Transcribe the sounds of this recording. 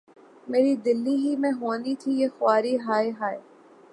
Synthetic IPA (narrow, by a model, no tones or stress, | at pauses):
meːɾid̪ɪlːiɦimɛ̃ɦoːnit̪ʰijexʊwaːɾiɦaːeɦaːe